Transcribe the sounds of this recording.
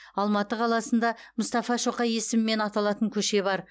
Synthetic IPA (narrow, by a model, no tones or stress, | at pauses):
ɑlˠmɑt̪əqʰɑlˠɑsənd̪ɑmʊst̪ɑfɑʃoqɑje̞sɪmɪme̞nɑt̪ɑlˠɑt̪əŋkʲʰɵʃe̞βɑɾ